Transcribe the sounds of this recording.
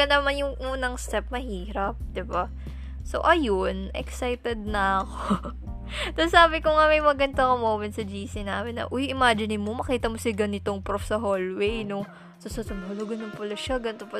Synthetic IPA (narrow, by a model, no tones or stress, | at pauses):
kɐnɐmanjʊŋʔuːnɐŋst̪ɛp̚mɐhiːɾɐp̚d̪ɪba | so̰ʔɐjonʔɛ̰ksajt̪ɛd̪̚nɐɐko | sɐsaːbɪkʊŋamɐjmɐɡɐnd̪akomoːmɛnsɐd͡ʒiːsɪnaːmɪnːɐ̰ʔojʔɪmaːd͡ʒɪnɪnmomɐkiːt̪ɐmosɪɡɐnɪt̪oŋpɾofsɐɦoːlwejno | sosɐsʊmoːloɡɐnʊŋpɐlɐʃɐɡɐnɪt̪opɐ